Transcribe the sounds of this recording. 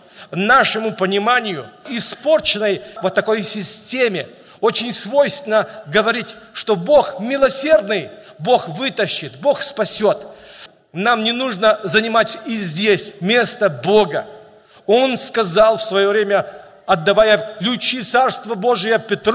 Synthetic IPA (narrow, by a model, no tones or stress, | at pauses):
naʂɨmʊpənʲɪmanʲɪjʊɪspo̞rt͡ɕɪnəjvət̪ːɐko̞jsʲɪsʲtʲemʲɪ | o̞t͡ɕɪnʲsvo̞jst̪ʲvʲɪnəɡəvɐɾʲitʲʂt̪o̞bo̞xmʲɪlˠɐsʲe̞rd̪nɨj | bo̞xvɨt̪əɕːɪt̪bo̞xspɐsʲo̞t̪ | namnʲɪnuʐnəzənʲɪmatʲɪzʲdʲesʲmʲe̞st̪əbo̞ɡə | o̞nskɐzalˠfsvɐjovɾʲemʲə | ɐd̪ːɐvajəklʲʊt͡ɕit̪sarst̪vəbo̞ʐɨjəpʲɪt̪ɾ